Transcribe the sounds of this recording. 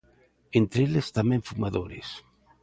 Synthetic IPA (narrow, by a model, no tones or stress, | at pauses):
ent̪ɾeelest̪amẽɱfumaðoɾes